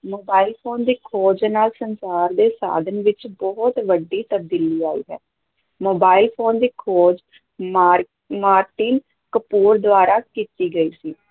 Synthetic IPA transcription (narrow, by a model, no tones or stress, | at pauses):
moːbaːilpʰoːnd̪iːkʰoːd͡ʒnaːlsənsaːɾd̪eːsa̰ːd̪ənʋɪt͡ʃbɔɦʊt̪ʋəɖːiːt̪əb̚d̪iːliːaːḭːɦɛ̰ː | moːbaːilpʰoːnd̪iːkʰoːd͡ʒ | ma | maːɾʈiːn | kəpuːɾd̪ʊaːɾaːkiːt̪iːɡəiːsiː